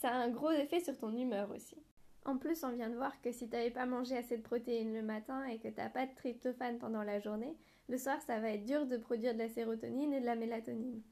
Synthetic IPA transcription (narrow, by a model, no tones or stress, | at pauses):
saɛ̃ɡʁozefɛsyʁt̪ɔ̃nymœʁo̰si̥ | ɑ̰̃plysɔ̃vjɛ̃d̪əvwaʁkəsit̪yavɛpamɑ̃ʒeased̪əpχɔt̪einləmat̪ɛ̃ekət̪ya̰pad̪ət̪χip̚t̪ɔfanpɑ̃d̪ɑ̃laʒuʁne | ləswaʁsavaɛt̪d̪yʁd̪əpχɔd̪ɥiʁd̪əlaseʁot̪ɔnined̪əlamelat̪ɔnin